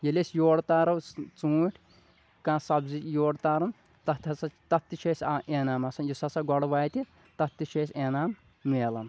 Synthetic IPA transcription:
jɐlesjoːɽt̪aːɾɐwst͡suːʈʲʰ | kãːsɐbzijoːɽt̪aːɾɐn | t̪ɐt̪ʰɐsɐt̪ɐt̪ːit͡ʃʰeːsʲaeːnaːmɐsɐnjusɐsɐɡɔɽʋaːjt̪i | t̪ɐt̪ːit͡ʃʰeːsʲeːnaːmː | eːlɐn

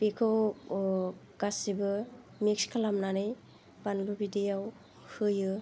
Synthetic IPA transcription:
pekʰɯw | ɡ̥asibɯ | mek̚skʰalamnanɯj | banlubidijaw | hɯjɯ

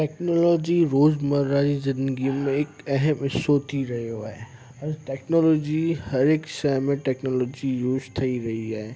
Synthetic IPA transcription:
ʈeːknoːlɔːd͡ʑiɾoːzmɐɾːad͡ʑizɪ̃nd̪əɡimẽɪkɐɦəmɪsːot̪ʰiɾɐɦjoa̰ːɦe | ɐ̃ɾʈɛːknoːlɔːd͡ʑihɐɾɪkʃaɪmẽʈɛːknoːlɔːd͡ʑiɾoːzt̪ʰɐiɾɐɦiaːɦeː

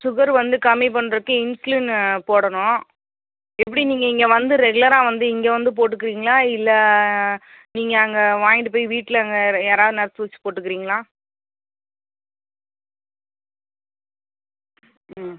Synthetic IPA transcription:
sʊɣɐɾʋɐnd̪ɯkɐmip̬ɐɳːɾɐðɯkːɯ̃ɪnslinpoːɽɐɳʊ̃ | ɛpːɐɽiniːŋɡɐɪŋɡɐʋɐnd̪ɯɾɛɡɯlɐɾãːʋɐnd̪ɯɪŋɡeʋɐnd̪ɯp̬oːʈ̬ːɯkːɪɾiːŋɡɐlãːɪlːɐ | niːŋɡɐɐŋɡɐʋaːjɪɖɯp̬oːjʋiːʈːɪlɐŋɡɐaːɾaːʋðɯnɛɾɐt̪ːɯʋɐt͡ʃːɯ̥poːʈːɯkːɪɾiːŋɡɐɭãː

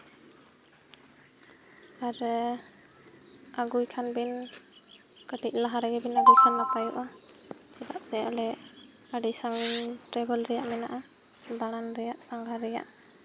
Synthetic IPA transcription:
aɾ | aɡujkʰanbin | kətik̚laɦaɾɛɡɛbinaɡujkʰanːapajṵʔa | sɛta̰ʔsɛalɛ | aɖisaŋʈɛbɔlɹɛjaʔmɛna̰ʔa | baɽanɾɛjaʔsaŋɡaɾɛja̰ʔ

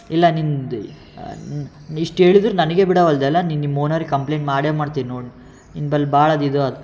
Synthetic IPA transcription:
ilːɐnind̪ | iʂʈɦeːɭid̪ɾunɐnɐɡebiɽɐʋɐld̪ɛlːɐninimoːnaːɾikɐmpleːɳʈmaːɽeːmaːɽt̪iːnnoːɽ | ninbɐlːbaːɭɐd̪id̪uɐd̪u

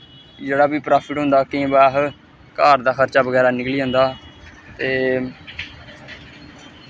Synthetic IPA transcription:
d͡ʒeːɽaːbiːpɾaːpʰɪʈɦʊ̃nd̪aːkẽːbaːɦ | kaːɾd̪aːxʰəɾt͡ʃaːbəɡɛːɾaːnɪkliːɦõːnd̪aːt̪eː

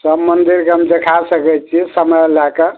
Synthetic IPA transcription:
səbmənd̪iɾkeɦəmd̪ekʰasəkɛt̪t͡ʃʰisəməjlakə

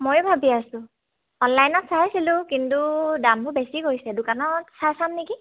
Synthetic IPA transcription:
mojʊbʱabiasʊ̃ | ɔnlajnɔtsaɦasilʊ̃kintudamtubesiɡojsɛdʊkanɔtsasamniki

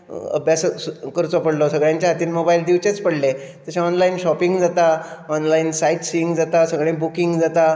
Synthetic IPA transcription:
ə̰bjasəkəɾt͡sɔpəɽlɔsəɡɭjãɲt͡ɕjaɦat̪iːnmobaild̪iʋt͡ɕet͡spəɽle | t̪əɕẽɔnlainɕɔpiŋɡd͡zat̪aɔnlainsaiʈsiiŋɡd͡zat̪asəɡɭẽbukiŋɡd͡zat̪a

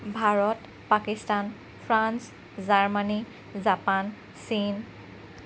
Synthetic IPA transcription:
bʱaɹɔt | pakistan | pʰɹans | zaɹmani | zapan | sin

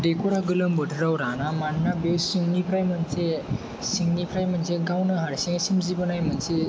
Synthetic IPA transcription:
ɖekoɽaɡələmbəʈʰɾawɾanamanːabewsiŋɡnipʰɾajm̤ənt͡se | siŋɡnipʰɾajm̤əɳd͡zeɡawnəɦaɽɕẽsimd͡ʑipənajm̤ənd͡ze

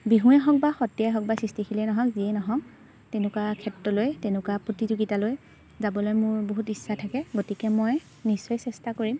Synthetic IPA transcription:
biɦũɛɦɔk̚baxɔtiaɦɔk̚basɹistixʰilɛnɔɦɔ̃kziɛnɔɦɔ̃k̚ | tɛnʊkakʰɛtɹɔlojtenʊkwapɹotizuɡitaloj | zabɔlojmʊɹboɦutisːatʰakɛɡotikɛmɔj | nisɔjsɛstakoɹim

